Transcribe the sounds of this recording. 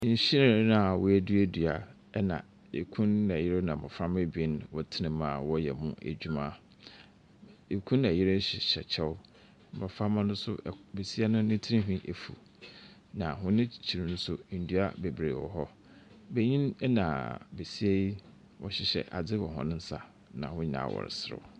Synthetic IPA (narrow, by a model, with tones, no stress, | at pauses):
ɲ̩˨˦ɕɪ˦ɾɪ̃˦˨˦nã˨wɔ˨æ˨du˦æ˦du˨a˨ | ɛ˦nã̰˨ | e˨kʰũ˦nnã˨jɪ˦ɾɪ˦nã˨bɔ̰˨fã˦me˦be˦nwɔ˦tʰɪ˦nɪ̃˨mã˨wɔ˦jɛ̰˨mũ˦ʔæ̰˨d͡ʑᶣu˦mã˦ | e˨kʰũ˦nːã˨jɪ˦ɾɪ˦ɕɪ˨ɕɛ̰˨t͡ɕʰɛ˦wʊ˦˨ | bɔ˨fã˦mã˦nʊ̃˦sʊ̰˦be˨si˦a˦nʊ̃˦nɪ̃˦tʰi˦nĩ˦ɦᶣĩ˦ʔe˨fu˨ | nã˨ɦʊ̃˦nɪ̃˦t͡ɕʰi˨ɾi˨nʊ̃˦sʊ˦n̩˨du˦a̰˦be˨bɾe˨wɔ̰˨ɦɔ˦ | be˦ɲĩ˦nɛ˦nã˨be˨si˦e˦ji˦ | wɔ̰˦ɕɪ˨ɕɛ̰˨ʔa̰˨d͡zɪ˦wɔ˨ɦɔ̰̃˨nɪ̃˦n̩˦sa˨ | nã̰˨hʊ̃˦ɲĩ˨nã̰˨wɔ̰˨ɾɪ̰˨sɪ˦ɾɪ̰˦˨